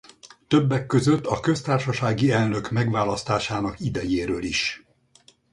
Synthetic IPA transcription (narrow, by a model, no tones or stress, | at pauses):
t̪ø̞bːɛkːøzø̞t̪ːɒkø̞st̪aːrʃɒʃaːɡiɛlnø̞kmɛɡʋaːlɒst̪aːʃaːnɒkid̪ɛjeːɾøːliʃ